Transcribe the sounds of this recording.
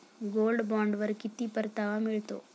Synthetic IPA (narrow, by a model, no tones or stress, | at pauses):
ɡoːlɖbaːɳɖʋɐɾkit̪ːipɐɾt̪aʋamiɭt̪o̰ː